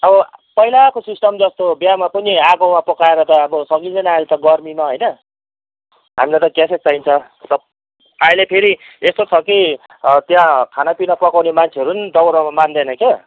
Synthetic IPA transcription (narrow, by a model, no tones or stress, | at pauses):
ʌbʌpʌɦilakosisʈʌmd͡zʌst̪objamapʌniaɡʌwmapʌkaeɾʌt̪ʌːbʌsʌŋɡienalet̪ʌɡʌrminʌɦojnʌ | ɦa̰milet̪ʌkjaset͡saint͡sʰʌ | t̪ʌ | ailepʰeɾiest̪ot͡sʰʌki | t̪jãkʰanapinʌpʌkawnemant͡sʰeʌɾunid̪ʌwɾʌmamand̪enʌke